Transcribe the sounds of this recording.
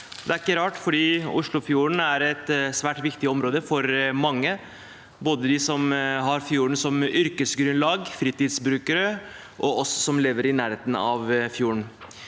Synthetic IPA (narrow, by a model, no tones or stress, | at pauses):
d̪ɛæɾɪkːəɾɑːʈfɔɖiːʊ̰ʂɭʊfjuːɾɳ̩æɾɛt̪sʋæːʈʋɪkt̪ɪɔmɾoːd̪əfɔɾmɑŋːə | boːd̪əd̪ɪsɔmɦɑɾfjuːɳ̩sɔmʏɾkəsɡɾʉnlɑːɡfɾiːt̪ɪd̪sbɾʉːkəɾə | ʔɔɔssɔmleːʋəɾɪnæːɾheːt̪nɑ̰ʋfjuːɳ